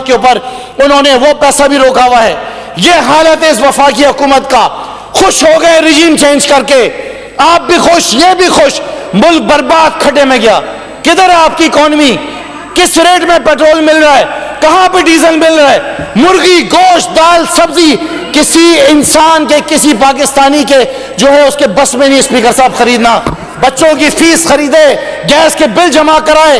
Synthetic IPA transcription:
keuːpəɾ | ʊnɦõːneʋopɛːsabʱiɾoːkaːʋaɦɛː | jeːɦaːlət̪ɪsʋɐfaːkiɦʊkuːmət̪ka | xʊʃɦoːɡɐẽɾɪd͡ʒiːmt͡ʃẽːnd͡ʒkɐɾke | aːp̚bʱixʊʃjebʱixʊʃmʊlk̚bɐɾbaːd̪̚kʰɐʈemẽɡɪjaː | kɪd̪əɾaːp̚kiɪkɔːnmi | kɪsɾeːʈmẽpɛːʈɾoːlmɪlɾaɛkɐɦãbʱiɖiːzəlmɪlɾaɛːmʊɾɣiɡoːʃd̪aːlsɐbzi | kɪsiɪnsaːnkekɪsipaːkɪst̪aːnike | d͡ʒoːɦɛʊskebɐsmẽnĩspiːkəɾsaːbxɐɾiːd̪naː | bɐtːʃõkifʰiːsxɐɾiːd̪e | ɡɛːskebɪld͡ʒɐmakɐɾaːeː

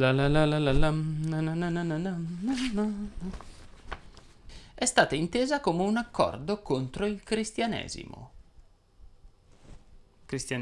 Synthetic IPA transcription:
lalalalalalannnnnnanɔn | ɛst̪aːt̪aint̪eːzakoːmeunakʰːɔ̰rd̪okont̪ɾoilkɾist̪janɛ̰ːzḭmo̰ | kɾist̪jan

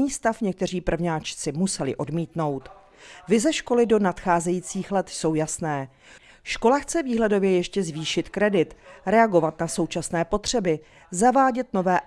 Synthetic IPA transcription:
ɲiːst̪afɲɛk̚t̪ɛr̝iːpr̩vɲaːt͡ʃt͡sɪmusɛlɪ̰ʔo̞dmiːt̪no̞wt̪ | vɪzɛʃko̞lɪdo̞nat̪xaːzɛjiːt͡siːxlɛt̪so̞wjasnɛː | ʃko̞laxt͡sɛviːɦlɛdo̞vjɛjɛʃcɛzviːʃɪt̪kɾɛdɪt̪ɾɛaɡo̞vat̪naso̞wt͡ʃasnɛːpo̞t̪r̝̥ɛbɪ | zavaːɟɛt̪no̞vɛː

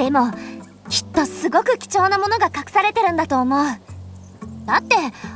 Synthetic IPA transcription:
d̪̥e̞mo̞ | kʲi̥t̪ːo̞sɨɡo̞kɯ̟kʲi̥t͡ɕo̞ːnamo̞no̞ɡakakɯ̟̥saɾe̞t̪e̞ɾɯ̟nd̪at̪o̞ːmo̞ɯ̟ | d̪̥at̪ːe̞

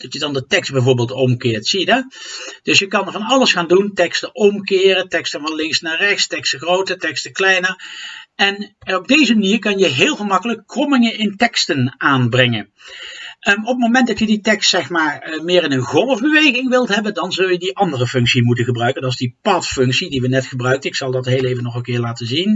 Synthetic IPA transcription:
d̥ɑtjədɑndətɛkstbɛjvoːɹbeːlˠtɔmkɪːɹtsijədɑd̥ɵsjəkɑnvɑnɑlˠəsxaːnduntɛkstəʔɔmkɪːrətɛkstənvɑnlɪŋksnaːrɛxstɛkstəχrowtətɛkstəklɛjnərɛnɔb̚dejzəmaniːɹkɑnjəɦɪːlˠvəmɑkələkːrɔmɪŋənɪntɛkstənaːnbrɛŋən | ɔpəmomɛntdɑtjəditɛkstsɛxmaːɹmɪːrɪnənɣɔlˠəvbəʋejɣɪŋʋɪlˠtɦɛbəndɑnzɵlˠjədiʔɑndərəfɵŋksimutənɣəbrœɥkəndɑtɪzdipɑtfɵŋksidiʋənɛtχəbrœɥkənɪksɑlˠdɑtɦejlejvənɔχənkɪːɹlaːtənzin

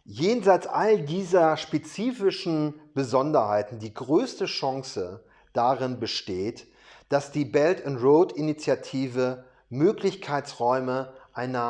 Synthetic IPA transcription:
jeːnzaɪt͡sʔaldiːzɐʃpet͡siːfɪʃn̩b̥əzɔndɐhaɪtn̩diːɡʁøːstəʃaŋsə | d̥aʁɪnbəʃteːt | d̥asd̥iːbɛltʊntʁoːtinit͡sjatʰiːvə | møːklɪçkʰaɪsʁɔʏməʔaɪnɐ

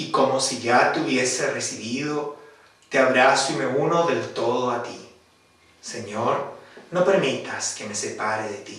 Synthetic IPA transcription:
iko̞mo̞siʝat̪uβje̞seresiβiðo | t̪eaβɾasime̞unoðe̞lt̪o̞ðoat̪i | se̞ɲoɾno̞pe̞ɾmit̪aske̞me̞sepaɾeðet̪i

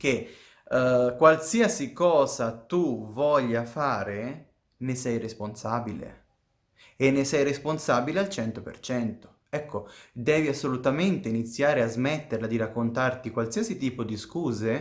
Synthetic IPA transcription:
k̟e | kwalsiasikɔːzat̪uvɔʎːafaːɾe | nesɛjresponsaːbilḛ | enːesɛjresponsaːbilealt͡ʃɛnt̪opḛrt͡ʃɛnt̪o̥ | ɛkːod̪ɛːviasːolut̪ament̪einit̪sːjaːɾeazmɛt̪ːeɾlad̪iɾakːont̪art̪ikwalsiasit̪iːpod̪iskuːze

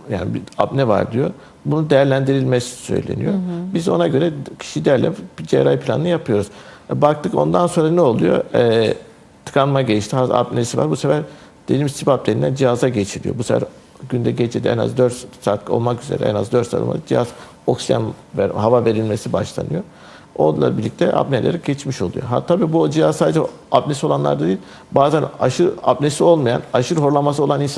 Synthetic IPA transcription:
ja̰ːnibiabnɛva̰ɾd̪ijo̞ | bunud̪ejæɾlʲænd̪iɾilʲmɛssø̞̰jlʲḛnḭjobizo̞̰naɟø̞ɾɛcʰi̥ʃid̪æɾlʲɛ̰pid͡ʒḛɾajpʰlʲa̰nɯnɯjapʰɯjo̞ɾuz̥ɛbak̚t̪ʰɯko̞̰nd̪anso̞nɾanɛolˠujo̞̰ɛː | t̪ʰɯ̥kanmaɟejiʃt̪ʰiaa̰bnesiva̰ɾbusefæɾ | d̪̥ed̪imst̪ʰipap̚d̪einænd͡ʒiɦazaɟet͡ʃʰilʲijobusefæ̰ɾ | ɟynd̪ɛɟet͡ʃʰed̪iɛ̰na̰zd̪øɾt̪sak̪lˠɯo̞̰lˠmakyze̞̰ɾɛ̰ɛ̰na̰zd̪øɾt̪sa̰ka̰d̪d͡ʒijaz̥ | o̞̰ksija̰nvɦavave̞ɾilʲme̞sibaʃlˠa̰nɯjo | onlˠa̰biɾlʲːic̚t̪ʰɛʔa̰pnelʲeɾɛɟ̥et͡ʃmiʃo̞lˠujoɦa̰t̪ʰːabiːbud͡ʒijazsaːd̪ed͡ʒɛ | ap̚nesio̞lˠanlˠa̰ɾd̪ad̪iːlʲ | baːzænaʃɯɾa̰p̚nesio̞lˠmaja̰naʃɯɾɦo̞ɾlˠamas̬ɯo̞lˠanins

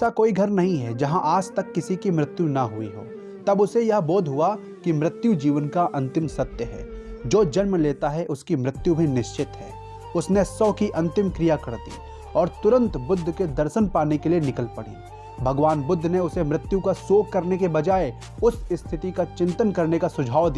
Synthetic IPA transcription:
sakoːiɡʱɐɾnɐɦĩɦɛ̰d͡ʒɐɦãʔaːd͡ʒt̪ɐkːɪsikimɾɪt̪junɐɦʊḭɦo̰ː | t̪ɐbʊsejɐɦboːd̪ʱɦʊa | kimɾɪt̪jud͡ʒiːʋənkaʔɐ̃nt̪ɪmsɐt̪jəɦɛ̰ː | d͡ʒoːd͡ʒɐnmleːt̪aɦɛʔʊskimɾɪt̪jubʱinɪʃt͡ʃɪt̪ɦɛ̰ː | ʊsnesɔːkiʔɐ̃nt̪ɪmkɾijakɐɾd̪ḭ | ɔːɾt̪ʊɾə̃nt̪bʊd̪ʱːked̪ɐɾʃənpaːnekelienɪkəlpɐɽ̤ḛ | bʱɐɡʋaːnbʊd̪ʱːneʊsemɾɪt̪jukasoːkːɐɾnekebɐd͡ʒaːe | ʊsɪst̪ʰɪʈ̪ikat͡ʃɪ̃nt̪ənkɐɾnekasʊd͡ʒʱaːwd̪ia

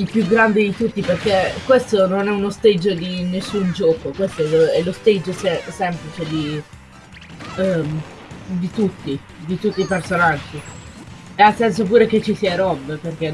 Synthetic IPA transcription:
ilpjuɡɾand̪ed̪it̪ut̪ːiperkekwest̪ononɛunost̪ed͡ʒːod̪inesːund͡ʒɔːkokwest̪oɛoɛlost̪ed͡ʒːosɛsɛmplit͡ʃed̪i | d̪it̪ut̪ːi | d̪it̪ut̪ːiːpersonad͡ʒːi | easːɛnsopuːɾek̟et͡ʃːisiːaɾɔbːperk̟e

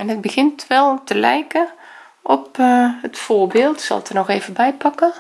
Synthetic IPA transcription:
ɛnət̚bəɣɪntʰʋɛlˠtəlɛ̰jkə | ʔɔpətfoːɹbeːlˠtsɑ̰lˠtənɔxeːvəbɛjpɑkə

